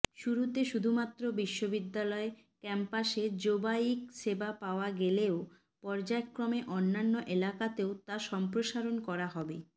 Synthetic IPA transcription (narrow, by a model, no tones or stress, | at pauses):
ʃuɾut̪eʃud̪ʱumat̪ːɾobiʃːobid̪ːalɔe | kɛmpaʃed͡ʑobaikʃebapaoaɡeleo | pɔɾd͡ʑaekːɾomeʔonːanːoʔelakat̪eot̪aʃɔmpɾoʃaɾonkɔɾaɦɔbe